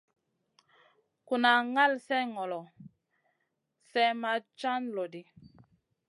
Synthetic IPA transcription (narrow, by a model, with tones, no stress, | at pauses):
ku˨na˨ŋa˦lsɛ˦ŋɔ˨lɔ˨ | sɛ˦ma˦t͡ʃa˦nlɔ˨di˨